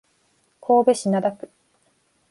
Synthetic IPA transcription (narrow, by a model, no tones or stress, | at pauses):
kʰo̞ːbe̞ɕinad̪akɯ̟̥